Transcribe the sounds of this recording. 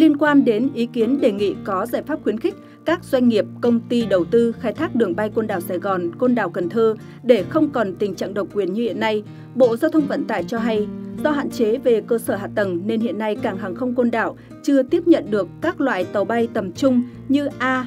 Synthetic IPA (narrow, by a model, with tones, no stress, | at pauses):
li˧ənkwaː˧nɗe˨˦nʔi˨˦ki˨˦ənɗe˨˩ŋḭ˧˨kɔ˨˦zaː˧˩jfaː˦˥p̚xwi˨˦ənxï˦˥k̟̚ | kaː˦˥k̚z̥wa˧jŋ̟ŋi˨˩əp̚kə˧wŋ͡mt̪i˧ɗə˨˩wt̪ɨ˧xaː˧˩jt̪ʰaː˦˥k̚ɗɨ˨˩əŋɓa˧jko˧nɗaː˧˩wsaː˧˩jɣɔ˨˩nko˧nɗa̰ː˧˨˩wkə˨˩nt̪ʰəː˧ | ɗe˧˩xə˧wŋ͡mkɔ˨˩nt̪ï˨˩ŋ̟t͡ɕa̰ː˧˨ŋɗə˨˩wk͡p̚kwi˧˩ənɲɨ˧hḭ˧˨ənːa˧j | ɓo̰˧˨zaː˧wt̪ʰə˧wŋ͡mvə̰˧˨nt̪a̰ː˧˩jt͡ɕɔ˧ɦa˧jzɔ˧ɦa̰ː˧˨nt͡ɕe˨˦ve˨˩kəː˧səː˧˩ɦa̰ː˧˨t̪ə˧˩nne˧nhḭ˧˨ənːa˧jkaː˧˩ŋɦaː˨˩ŋxə˧wŋ͡mko˧nɗa̰ː˧˩w | t͡ɕɨ˧ət̪i˦˥əp̚ɲə̰˧˨nɗɨ˨˩əkːaː˦˥k̚lwa̰ː˧˨jt̪ə˨˩wɓa˧jt̪ə˨˩mt͡ɕʊ˧ŋ͡m | ɲɨ˧ʔaː˧